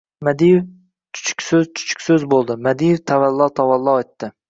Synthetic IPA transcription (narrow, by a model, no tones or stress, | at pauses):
mad̪ijf | t͡ʃʰʊ̥t͡ʃʰʊ̥kʲsɵzt͡ʃʰʊ̥t͡ʃʰʊ̥kʲsɵzbolˠd̪ɪmad̪ijɪft̪ʰavalˠːɒt̪ʰavalˠːɒet̪ːɪ